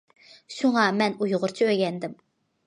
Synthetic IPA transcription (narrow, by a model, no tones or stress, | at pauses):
ʃuŋɑmɛnujʁʊɾt͡ʃʰiøɡʲɛnd̪ɪm